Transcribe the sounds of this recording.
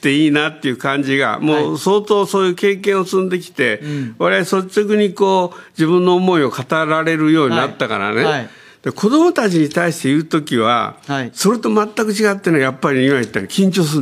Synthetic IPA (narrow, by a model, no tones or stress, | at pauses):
t̪ːe̞iːnat̪ːe̞jɯ̟ːkãɲd͡ʑiɡa̰mo̞ːso̞ːt̪o̞ːso̞ːjɯ̟ːke̞ːkẽɰ̃o̞sɨ̃nd̪e̞k̬ʲi̥t̪e̞βaɾe̞aiso̞t͡ɕokɯ̟ɲ̟iko̞ːd͡ʑibɯ̃nːo̞ːmo̞io̞kat̪aɾaɾe̞ɾɯ̟jo̞ːɲ̟inat̪ːaka̰ɾa̰ne̞ | d̪̥ekʰo̞d̪o̞mo̞t̪at͡ɕiɲ̟it̪aiɕi̥t̪e̞jɯ̟ːt̪o̞kʲiβa̰so̞ɾet̪o̞mat̪ːakɯ̟t͡ɕiɡat̪ːenojapːaɾʲiimait̪ːaɾikʲĩɲt͡ɕo̞ːs̬ɨ